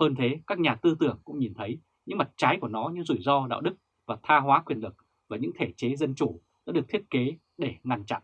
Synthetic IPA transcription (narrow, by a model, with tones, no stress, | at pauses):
həː˧nt̪ʰe˨˦kaː˦˥k̚ɲaː˨˩t̪ɨ˧t̪ɨ˧˩əŋkʊ̰˧˥ŋ͡mɲi˨˩nt̪ʰə˨˦j | ɲɨ̰˧˥ŋma˨˩t̚t͡ɕaː˨˦jku˧˩ənɔ˨˦ɲɨ˧zu˧˩jzɔ˧ɗa̰ː˧˨wɗɨ˦˥k̚ | vaː˨˩t̪ʰaː˧ɦwaː˨˦kwi˨˩ənlɨ˨˩k̚ | vaː˨˩ɲɨ̰˧˥ŋt̪ʰe˧˩t͡ɕe˨˦zə˧nt͡ɕu˧˩ | za̰ː˧˥ɗɨ˨˩ək̚t̪ʰi˦˥ət̚ke˨˦ | ɗe˧˩ŋa˧˩nt͡ɕa̰˧˨ʔ